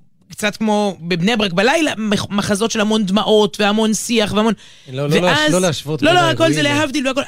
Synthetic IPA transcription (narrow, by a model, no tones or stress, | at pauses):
kt͡sat̪kmo̞bebnebʁakbalajlamemaχazo̞tʃe̞lhamo̞nd̪maʔo̞t̪veamo̞nsiaχveamo̞n | veazoleaʃvotloloako̞lzeleɦavd̪iluako̞l